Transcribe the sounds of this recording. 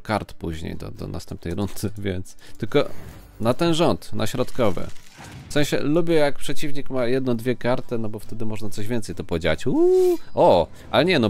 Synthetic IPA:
kaɾt̪puʑɲḛjd̪ɔ̰d̪ɔ̰na̰st̪ɛmp̚nɛjɾunt̪ɘvʲjɛnt̪st̪ɘlkɔ̰ | nat̪ɛnʐɔnt̪nʔa̰ɕɾɔt̪kɔvɘ̰ | fsɛ̃ɕɛ̰lubʲjɛjak̚pʂɛt͡ɕivɲikmajɛd̪nɔ̃d̪vʲjɛkaɾt̪ɘnɔbɔft̪ɛd̪ɘmɔʐnat̪sɔʑvʲɛnt̪sɛjt̪ɔpɔd͡ʑat͡ɕuɔ | ʔalɛɲɛnɔ

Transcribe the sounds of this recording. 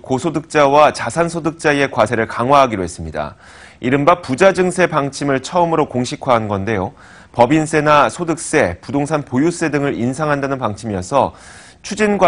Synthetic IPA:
kosʰodɯk̚t͡ɕ͈awat͡ɕasʰansʰodɯk̚t͡ɕ͈aie̞kwasʰe̞ɾɯɭkaŋɦwaɦaɡiɾoɦe̞s͈ɯmɲida̰ | iɾɯmbapud͡ʑad͡ʑɯŋsʰe̞paŋt͡ɕʰimɯɭt͡ɕʰʌɯmɯɾokoŋɕʰikʰwaɦanɡʌnde̞jo | pʌbins͈e̞nasʰodɯk̚s͈e̞pudoŋsʰanpojus͈e̞dɯŋɯɾinsʰaŋɦandanɯnpaŋt͡ɕʰimijʌsʰʌ | t͡ɕʰud͡ʑinɡwa

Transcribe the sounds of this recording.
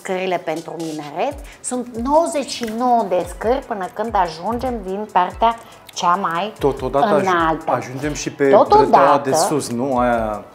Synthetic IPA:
skəɾile̞pent̪ɾumineɾet̪sunt̪nowəzeʃino̞wd̪eskərʲpɨnəkɨnd̪aʒund͡ʒe̞md̪inpart̪ea | t͡ʃamajt̪ot̪od̪atɨnalt̪aaʒund͡ʒemʃipet̪ot̪od̪aad̪eəssusnua

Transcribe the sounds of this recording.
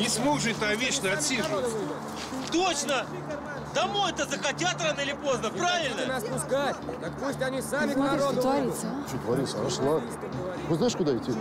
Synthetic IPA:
nʲɪsmo̞ɡʐɨt̚ʲt̪avʲet͡ɕnəɐt̪ʲsʲiʐɨ | t̪ot͡ɕnə | d̪ɐmo̞jɛt̪əzəxɐtʲat̪ɾanəɪlʲɪpo̞znəpɾavʲɪlʲnspʊsɡatʲt̪əkpusʲtʲɐnʲisamʲɪɾoɐɾʲist͡ʃot̪vɐɾʲisʂlˠak | poznajɪʂkʊd̪aɪtʲːi

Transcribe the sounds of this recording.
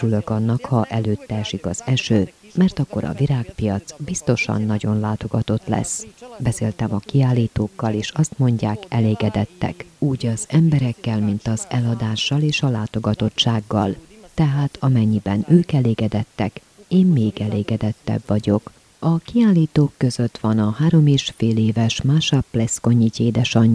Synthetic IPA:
ylø̞kɒnːɒkhɒʔɛløːt̪ːɛːʃikɒ̰z̥ɛʃøː | mɛrt̪ɒkːo̞ɾɒ̰viɾaːkpijɒt̪sbist̪o̞ʃɒ̰nːɒɟo̞nlaːt̪o̞ɡɒt̪o̞t̪lɛ̰sbɛseːlt̪ɛmɒkiaːlːiːt̪oːkːɒleːʃɒst̪mo̞ɲɟaːkɛleːɡɛd̪ɛt̪ːɛ̰kuːɟɒzɛmbɛɾɛkːɛlmint̪ɒzɛlɒd̪aːʃːɒleːʃɒlaːt̪o̞ɡɒt̪o̞tt͡ʃːaːɡːɒ̰lt̪ɛɦaːt̪ʰɒmɛɲːibɛnøːkɛleːɡɛd̪ɛt̪ːɛ̰k | eːmmeːɡɛleːɡɛd̪ɛt̪ːɛ̰bvɒɟo̞k | ɒkiaːlːiːt̪oːkːø̞zøt̪ʋɒnɒhaːɾo̞meːʃfeːleːvɛʃmaːʃɒpːlɛsko̞ɲːiceːd̪ɛʃɒɲ

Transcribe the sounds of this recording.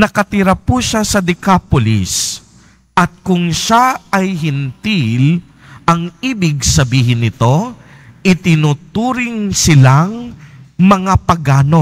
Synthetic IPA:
nɐkɐt̪iɾɐpuʃasɐd̪ɪkapolɪ̰s | ʔɐt̪̚kʊŋʃaɐjɦɪnt̪il | ʔɐŋiːbɪɡ̚sɐbiːɦɪnːɪt̪o̞ | ʔɪt̪ɪnut̪uːɾɪŋsɪlaŋmɐŋapɐɡaːno

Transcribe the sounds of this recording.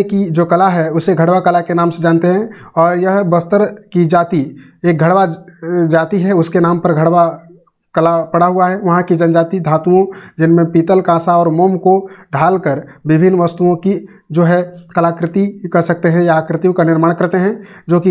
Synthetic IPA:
kid͡ʒoːkɐlaɦɛʊseɡʱɐɽʋakɐlakenaːmsed͡ʒãːnt̪eɦɛ̃ɔːɾjɐɦbɐst̪əɾkid͡ʒaːt̪i | eːk̚ɡʱɐɽʋad͡ʒaːt̪iɦɛʊskenaːmpɐɾɡʱɐɽʋa | kɐlapɐɽaɦuaɦɛʋɐɦãkid͡ʒɐnd͡ʒaːt̪id̪ʱãːt̪uõd͡ʒɪnmẽpiːt̪əlkãːsaɔːɾmoːmkoɖʱaːlkəɾʋɪbʱɪnːʋɐst̪uõki | d͡ʒoːɦɛkɐlakɾɪt̪ikɐɾsɐk̚t̪eɦɛ̃jakɾɪt̪ijõkanɪɾmaːɽ̃kɐɾt̪eɦɛ̃d͡ʒoːki

